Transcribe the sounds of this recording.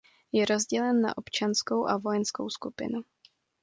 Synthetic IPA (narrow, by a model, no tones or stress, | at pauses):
jɛɾo̞zɟɛlɛnːa̰ʔo̞pt͡ʃansko̞wʔavo̞jɛnsko̞̰wskupɪ̰nu